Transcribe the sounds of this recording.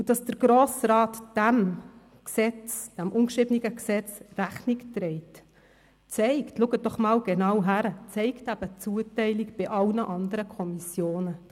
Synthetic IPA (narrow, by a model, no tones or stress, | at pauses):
ud̥ɑsd̥əɾɡɾoːsɾɑːtd̥æm | ksɛt͡sd̥æmʔʊnkʃɪbəniɡəksɛt͡sræχniktɾɛɪt | t͡sɛɪktluːɡət̚d̥ɔχmɑːwɡ̥enɑwɦæɾət͡sɛɪktæb̥ət͡suːətɛɪlikb̥ɪʔɑlnəʔɑnd̪əɾəkʰɔmisjoːnə